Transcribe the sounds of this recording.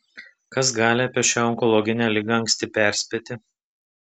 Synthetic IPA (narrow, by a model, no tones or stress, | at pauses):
kɐs̬ɡɑːlʲɪɐpʲiɛʃʲaːɔŋkɔlˠɔɡʲɪnʲæːlʲɪɡɐɐŋksʲt̪ʲɪpʲæˑɾʲsʲpʲeːt̪ʲɪ